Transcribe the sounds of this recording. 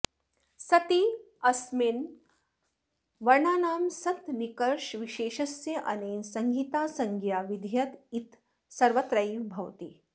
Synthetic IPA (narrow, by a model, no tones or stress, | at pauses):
sɐt̪i | ɐsmin | ʋɐɾɳaːnaːmsɐt̪nikɐɾʃʋiʃeːʃɐsjɐʔɐneːnsɐŋɡʱiːt̪aːsɐŋɡjaːʋid̪ʱjɐt̪it̪ | sɐɾʋɐt̪ɾɐjbʱɐʋt̪i